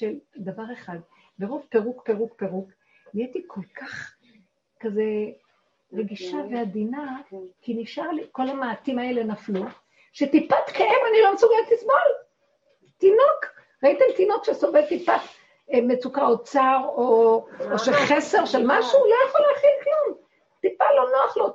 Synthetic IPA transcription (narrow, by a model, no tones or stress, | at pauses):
ʃeld̪avaʁeχad̪ | beʁovpe̞ʁukpe̞ʁukpe̞ʁuk | nijetikʰo̞lkʰaχ | kaze̞ | ʁeɡiʃavead̪inakiniʃaʁliko̞lamaːt̪imae̞lenaflu | ʃet̪ipatkaemanilo̞msuɡelt̪lismol | tinok | ʁait̪ilt̪ino̞kʃesovelt̪ipat | met͡sukaot͡saʁooʃeχese̞ʁʃelmaʃulojaχoleːχilklum | t̪ipalo̞noaχlo